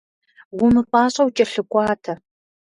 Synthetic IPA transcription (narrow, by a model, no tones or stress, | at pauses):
wumɨpʼɑːɕʼɐwt͡ʃʼɐɬɨkʷʼɑːtʰɐ